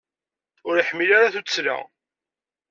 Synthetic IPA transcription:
ʊɾiħmːilaɾaθut͡sːsla̰

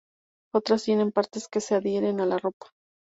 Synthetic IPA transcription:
o̞t̪ɾast̪je̞ne̞mpaɾt̪e̞ske̞se̞aðje̞ɾe̞nalaro̞pḁ

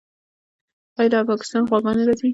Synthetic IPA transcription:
ɑjd̪pɑkɪ̥st̪ɑnxwaɡɑneɾɑsi

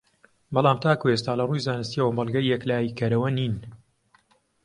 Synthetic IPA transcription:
bɑlˠaːmt̪ʰaːkues̬t̪aːlɐruːjzaːnɨst̪iəwɐbɐlˠɡɐjːɛklaːjikɐɾɐwɐniːn

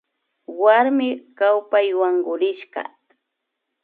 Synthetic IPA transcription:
waɾmɪkawpajwaŋɢʊɾɪʃɢɑ̰

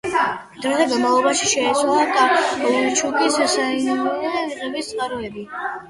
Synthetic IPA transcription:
d̪̥ɾad̪ɛɡanmavlˠɔbaʃiʃɛit̪sʰwalˠad̪at͡ʃʰukʼissaiɛviʁɛbist̪sʼqʼaɾɔɛbi

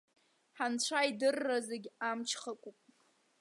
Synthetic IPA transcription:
ħant͡ɕʷʰajdɨrːazeɡʲamt͡ʃʰχakʷʼupʼ

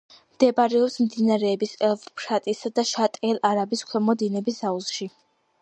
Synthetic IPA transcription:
md̪̥ɛbaɾɛɔpsmd̪inaɾɛːbisɛpʰʼɾat̪ʼisad̪aʃat̪ʼɛlˠʔaɾabiskʰwɛmɔd̪inɛbisauzʃi

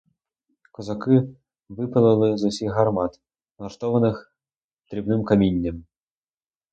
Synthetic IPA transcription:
kɔzɐkɪ | ʋɪpɐlˠɐlˠɪzʊsʲiɣɦɐrmɑt̪ | nˠɐʃt̪ɔʋɐnɪx | t̪ɾʲibnɪmkɐmʲinʲːɐm

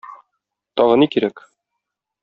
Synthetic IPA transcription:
t̪ɒʁɤ̆nikiɾæk

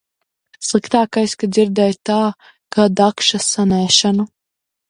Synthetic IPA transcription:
slˠikt̪aːkajskad̪zʲiɾd̪ɛjt̪aː | ɡ̥ad̪akʃasanæːʃanu

